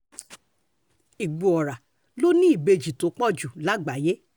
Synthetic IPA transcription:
i˨ɡ͡bu˧˨ɔ˨ɾa˨ | lo˦nĩ˦i˦˨be˧d͡ʒi˨to˨˦k͡pɔ˦˨d͡ʒu˨la˨˦ɡ͡ba˨je˦

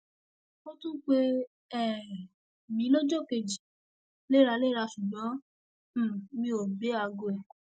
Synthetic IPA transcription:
o˦tũ˦k͡pe˧ | ɛ˦˨ | mĩ˨˦lo˦d͡ʒo˦˨ke˧˨d͡ʒi˨ | le˦˨ɾa˧le˦ɾa˧ʃũ˨ɡ͡bɔ̃˨˦˨ | mĩ˧o˨be˨˦a˧ɡo˧ɛ˨

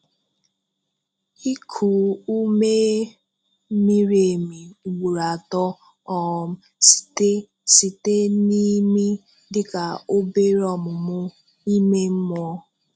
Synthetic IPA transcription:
i˦kʰu˨u˦me˦ | mi˦ɾe˨mi˨wu˨ɾa˨tɔ˦ | ɔ˨m̩˨ | ste˦ | si˨te˦ni˦mi˦ | dɪ˨ka˨o˦be˦ɾɔ˨mʊ˨mʊ˦ | i˦me˦m̩˦mɔ˦

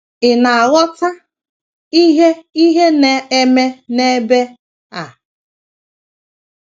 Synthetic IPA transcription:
ɪ˨na˨ɣɔ˦ta˦ | i˦ɦe˦i˦ɦe˦ne˨e˦me˦ne˦be˦ | a˨

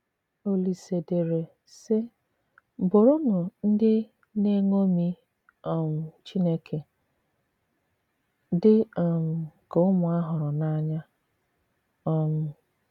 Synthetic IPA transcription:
o˨li˨se˨de˨ɾe˨ | sɪ˦ | bʊ˨ɾʊ˦nʊ˨n̩˦dɪ˦ | ne˦ŋo˦mi˦ | ɔ˦˨m̩˨t͡ʃi˦ne˦kʰe˨ | dɪ˦ɔ˨m̩˨kʊ˦mʊ˨a˦ɦʊ˨ɾʊ˨na˦ɲa˦ | ɔ˨m̩˨

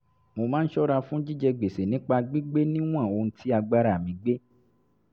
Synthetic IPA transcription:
mo˧mãː˦n̩˦ʃɔ˦ɾa˧fũ˦d͡ʒi˦d͡ʒɛ˧ɡ͡be˨se˨nĩ˨˦k͡pa˧ɡ͡bi˦ɡ͡be˦nĩ˦w̃ã˦˨o˧n̩˦tʰi˦a˧ɡ͡ba˦ɾa˦˨mĩ˧ɡ͡be˦

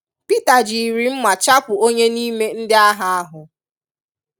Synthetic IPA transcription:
pi˦ta˨d͡ʒi˨ɾi˨m̩˦ma˨t͡ʃa˦pʊ˨o˦ɲe˦niː˦me˦n̩˦dɪ˦a˦ɦa˨a˦ɦʊ˨

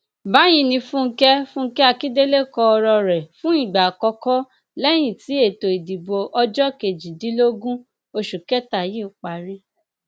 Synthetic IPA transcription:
ba˨˦j̃ĩ˧nĩ˧fũ˦ŋ̩˦kɛ˦fũ˦ŋ̩˦kɛ˦a˧ki˦de˦le˦kɔ˧ɔ˧ɾɔ˧ɾɛ˨fũ˦i˦˨ɡ͡ba˨kɔ˧kɔ˦ | lɛ˦j̃ĩ˨ti˨˦e˦˨to˨i˨di˨bo˧ʔɔ˧d͡ʒɔ˦ke˨d͡ʒi˨di˨˦lo˦ɡũ˦ | o˧ʃu˨kɛ˦ta˨jĩ˦u˨k͡pa˨ɾi˦

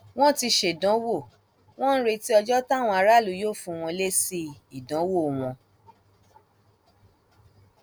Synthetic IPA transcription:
w̃ɔ̃˦ti˧ʃe˨dɔ̃˨˦wo˦˨ | w̃ɔ̃˦n̩˦ɾe˧ti˦ɔ˧d͡ʒɔ˦ta˦˨w̃ɔ̃˧a˧ɾa˦˨lu˨˦jo˦˨fũ˧w̃ɔ̃˧le˦si˧i˨dɔ̃˨˦wo˦˨w̃ɔ̃˧

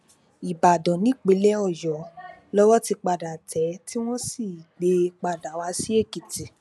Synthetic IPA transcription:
i˨ba˨dɔ̃˨nĩ˨˦˨k͡pe˨˦lɛ˦ɔ˦˨jɔ˨˦lɔ˦wɔ˦ti˧k͡pa˧da˨tʰɛ˨˦ti˦w̃ɔ̃˦si˦˨ɡ͡be˧k͡pa˧˨da˨wa˧˦si˦e˦˨ki˨ti˨

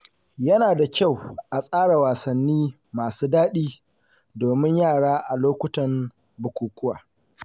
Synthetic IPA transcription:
jɐ˦naː˨da˨kʲa˦˨wʔa˨sʼaː˦ɽa˨waː˨sɐ˨nːiː˦ | maː˨suː˦daː˦ɗiː˦ | doː˨mɪ˦ɲjaː˦˨ɽaː˦ʔa˨loː˦kʷʊ˦tɐ˨m | bʊ˨kʷuː˨kʷʊ˦waː˨

